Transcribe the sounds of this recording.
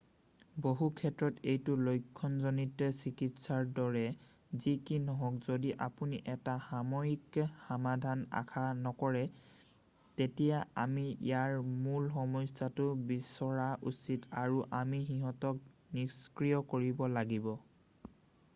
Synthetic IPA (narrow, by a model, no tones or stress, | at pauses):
boɦukʰɛtɹɔtejtʊlojkʰːɔnzonitɛsikitsaɹdɔɹɛ | zikinɔɦɔkzodiʔapuniʔɛtaxamɔjikxamadʱana̰kʰanɔkɔɹɛ | tetijaamiḭjaɹmulxɔmɔjsatʊbisɔɹaʔusitaɹuʔamixiɦɔtɔk̚ | niskɹijɔkoɹibɔlaɡibɔ